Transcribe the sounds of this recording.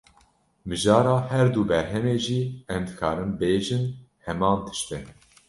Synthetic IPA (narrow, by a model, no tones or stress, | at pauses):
mɨʒɑːɾɑːhɛɾd̪uːbɛɾɦɛmeːʒiːɛmd̪ɨkʰɑːɾɨmbeːʒɨnhɛmɑːnt̪ʰɨ̥ʃt̪ɛ